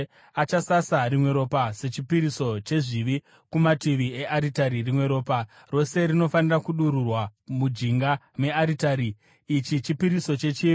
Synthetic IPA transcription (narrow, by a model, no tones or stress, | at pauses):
at͡ʃasasarimwe̞ɾo̞pase̞t͡ʃipiɾiso̞t͡ʃe̞ʐiʋi | kumatiʋieʔaɾitaɾirimwe̞ɾo̞ːpa | ro̞se̞rino̞fanirakuɗuɾurwamud͡ʒiŋɡa | me̞aɾitaɾiː | t͡ʃit͡ʃipiɾiso̞t͡ʃe̞t͡ʃiːʋi